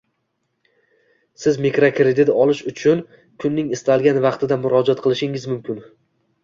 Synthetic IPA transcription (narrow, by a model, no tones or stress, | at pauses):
sɪzmekɾokʰɾed̪ɪt̪ɒlˠɪʃʊt͡ʃʰʊn | kʰʊnːɪŋɪst̪ʰalˠɡʲanvɑqt̪ʰɪd̪amʊɾɒd͡ʒɒt̪̚qʰɨlˠɪʃɪŋɪzmʊmkʲɪn